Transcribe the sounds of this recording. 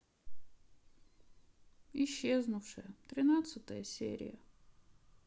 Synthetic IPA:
ɪɕːeznʊfʂɨjət̪ɾʲɪnat̪sɨt̪əjəsʲḛɾʲɪ̰jə

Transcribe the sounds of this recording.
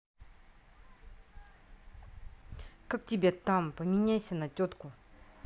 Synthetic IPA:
kʰək̚t͡ɕibet̪ampəmiɲaɕənat͡ɕot̪̚ko

